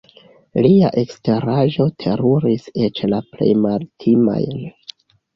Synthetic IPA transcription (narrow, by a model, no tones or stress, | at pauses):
liaʔekste̞ɾaʒo̞tʰe̞ɾuɾiset͡ʃlaple̞̰jmaltʰima̰jn